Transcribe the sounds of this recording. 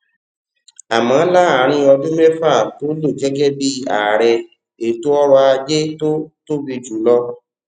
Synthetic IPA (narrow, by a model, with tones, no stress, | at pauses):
a˨mã˨˦la˦˨a˨ɾ̃ĩ˧ɔ˧dũ˦mɛ˦fɾa˦˨to˦lo˦˨ɡɛ˨˦ɡɛ˦bi˦a̰˨ɾɛ˧ | e˨to˦ɔ˦ɾɔ˧a˧d͡ʒe˦to˦to˦bi˧d͡ʒu˨˦lɔ˧